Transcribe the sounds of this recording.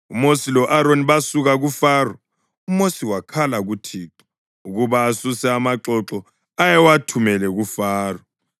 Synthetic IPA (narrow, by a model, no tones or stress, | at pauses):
umosilɔʔaɾoniβasuɣaɣufaːrɔ | umosiwakʰalaɣutʰiːǁɔ̥ | uɣuβaːsusɛamaǁɔǁɔ | ajɛwatʰumɛlɛɣufaːrɔ